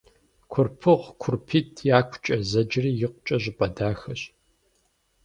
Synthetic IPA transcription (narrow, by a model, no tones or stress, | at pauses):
kʷʰʊrpʰɨʁkʷʰʊrpʰiːtʰjaːkʷʰʊt͡ʃʼɐzɐd͡ʒriːjɪqʷʊt͡ʃʼɐʑʼɪpʼɐdaːxɐɕ